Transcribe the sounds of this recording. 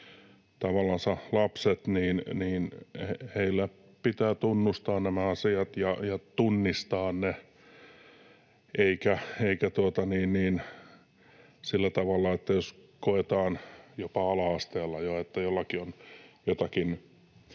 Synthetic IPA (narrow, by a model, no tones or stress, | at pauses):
t̪ɑʋɑlːˑɑnsɑlɑpset̪niːnniːnheheilːæ | pit̪æːt̪unːust̪ɑːnnæmæɑsiɑt̪jɑjɑt̪unːist̪ɑːnne | eikæeikæt̪uot̪ɑniːnniːn | silːæt̪ɑʋɑlːɑet̪ːæjoskoet̪ɑːnjopɑɑlɑɑst̪eːlːɑjoet̪ːæjolːɑkionjot̪ɑkin